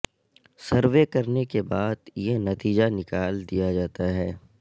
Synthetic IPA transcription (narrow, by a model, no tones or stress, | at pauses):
sɐɾʋekɐɾnekebaːd̪jenɐt̪iːd͡ʒanɪkaːld̪ijad͡ʒaːt̪aɦɛː